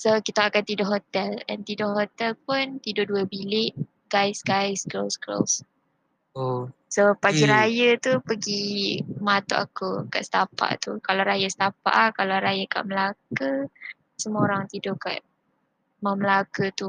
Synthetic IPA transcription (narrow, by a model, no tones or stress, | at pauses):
sokit̪aakant̪idɔʔɦot̪ɛlɛnt̪idɔʔɦot̪ɛlp̚ʊnt̪idʊʔduəbilɪʔ | ɡajsɡajsɡlolsɡlo̰s | o | sopaɡiɾajət̪upəɡimat̪ṵʔa̰kuka̰ʔsə̥t̪apa̰ʔt̪ukalawɾajast̪apa̰ʔakalaɾajaka̰ʔməlakə | səmuoɾaŋt̪idɔka̰ʔ | maməlakət̪u